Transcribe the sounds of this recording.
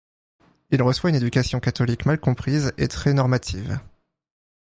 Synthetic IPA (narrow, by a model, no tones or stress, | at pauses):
ilʁəswayned̪ykasjɔ̃kat̪ɔlikmalkɔ̃pχizḛt̪χɛnɔʁmat̪ʰiv